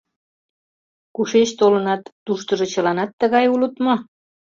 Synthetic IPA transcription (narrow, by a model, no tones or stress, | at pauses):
kuʃet͡ɕt̪olənɑt̪ːuʃt̪ə̆ʒɤ̆t͡ɕəlɑnɑt̪ːə̆ɣɑjulət̪mo